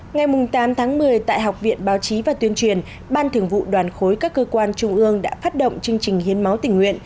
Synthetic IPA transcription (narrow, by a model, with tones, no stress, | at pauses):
ŋa˨˩jmʊ˨˩ŋ͡mt̪aː˨˦mt̪ʰaː˨˦ŋmɨ˨˩əjt̪a̰ː˧˨jɦa˨˩wk͡p̚vḭ˧˨ənɓaː˨˦wt͡ɕi˨˦vaː˨˩t̪wi˧ənt͡ɕwi˨˩ən | ɓaː˧nt̪ʰɨ˨˧˩əŋvṵ˧˨ɗwaː˨˩nxo˨˦jkaː˦˥kːəː˧kwaː˧nt͡ɕʊ˧ŋ͡mʔɨ˧əŋɗa̰ː˧˥faː˦˥t̚ɗo̰˧˨wŋ͡mt͡ɕɨ˧əŋt͡ɕï˨˩ŋ̟hi˨˦ənma˨˦wt̪ï˧˩ŋwḭ˧˨ən